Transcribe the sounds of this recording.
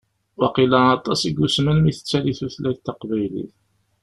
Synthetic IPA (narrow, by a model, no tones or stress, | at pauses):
wɑqilænɑt̪ˤːɑsiɡːusmənmiθə̥t͡sːæliθuθlæçt̪ɑqvæjlḭθ